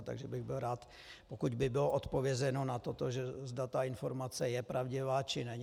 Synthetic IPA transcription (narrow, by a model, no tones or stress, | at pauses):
t̪a̰ɡʒɛbɪɣbɪlɾaːt̪ | pokuɟbɪbɪloʔot̪po̞vjɛzɛnonat̪ot̪oʒɛzdat̪aɪnfo̞ɾmat͡sɛjɛpɾʔavɟɪvaːt͡ʃɪnɛɲ